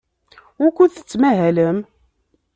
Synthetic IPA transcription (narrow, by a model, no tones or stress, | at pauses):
ʊɾkʷːuθə̥t͡sːmæɦæləm